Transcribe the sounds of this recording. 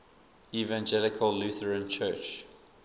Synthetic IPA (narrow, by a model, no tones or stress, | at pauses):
ivãnd͡ʒɛlɪkʰəlːuθəɹə̃nt͡ʃʰɜːˑt͡ʃ